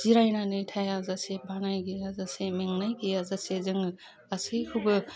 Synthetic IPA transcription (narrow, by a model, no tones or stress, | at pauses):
z̥iɾajnanɯjtʰajazasebʱanajɡijazasemeŋnajɡijazasezɯŋ | asɯjhʰubɯ